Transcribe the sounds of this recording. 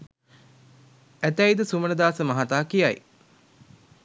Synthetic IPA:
æt̪æid̪əsumənəd̪aːsəmɐɦat̪aːkijaj

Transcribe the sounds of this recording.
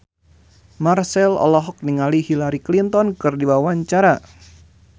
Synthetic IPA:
marsɛlɔ̰lɔɦɔk̚niŋalihilaɾiklint̪ɔnkɨrdiwawaɲt͡ʃaɾa

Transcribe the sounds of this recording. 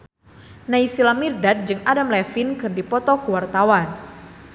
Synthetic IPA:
naisilamirdat̪̚d͡ʒɨŋadamlɛfinkɨrdipɔt̪ɔkəwart̪awan

